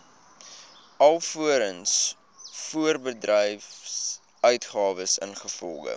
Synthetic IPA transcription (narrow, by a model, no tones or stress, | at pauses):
ɐlˠfuəɾəns | fuərbədrɛjf | œɥtχɑːvəsə̰nχəfɔlˠɡə̰